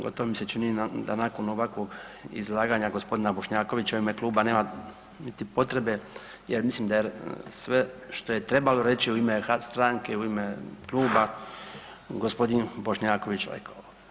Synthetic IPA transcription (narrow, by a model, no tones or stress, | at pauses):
ɡo̰t̪oʋomise̞t͡ʃinid̪a̰naːko̞no̞ʋakʋo̞ɡḭzlˠaːɡaːɲaɡospo̞d̪inabo̞ʃɲaːko̞ʋit͡ɕauimekluːbane̞ːma | nit̪ipo̞t̪ɾe̞be̞ | jeɾmislimd̪ajesʋe̞ʃt̪o̞je̞t̪ɾe̞balo̞ɾe̞t͡ɕiuimeast̪ɾaŋkeuimekluːba | ɡospo̞d̪inbo̞ʃɲaːko̞ʋit͡ɕɾḛkʰao